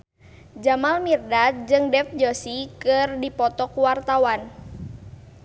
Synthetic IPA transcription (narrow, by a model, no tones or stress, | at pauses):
d͡ʒamalmirdat̪̚d͡ʒɨŋdɛfd͡ʒosikɨrdipɔt̪ɔkuwart̪awan